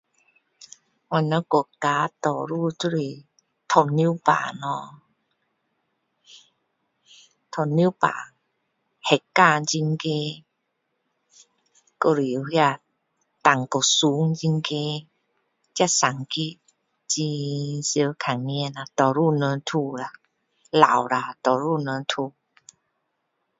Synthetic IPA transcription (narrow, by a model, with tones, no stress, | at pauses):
wɔ˧nɔ˧˦kɔ˨˩kaː˨˦t̪ɔ˨˩ɾu˥˧˨tu˧ɾi˨˩ | t̪ʰɔ˧˩nːi˧˦˨pa̰ː˨nɔ˧˩ | t̪ʰɔ˧˩nːi˧˦˨pa̰ː˨ | hɛ˨˩˨kaː˧˨t͡ɕi˧ŋke˧ | ko˧˨ɾi˨˧hja˧ | t̪a˨˩ŋko˨˩su˧˦ŋd͡ʑi˧ŋke˦ | t͡ɕa˦˧˨sa˨˩ŋki˦ | t͡ɕi˧sjə˧˦kʰa˨˩ŋːi˧˨na˨˧t̪ɔ˨˩ɾu˥˧˨nə˧nt̪ʰu˧la˨˩ | la˨wla˨˧t̪ɔ˨˩ɾu˥˧˨nə˧nt̪ʰu˧˨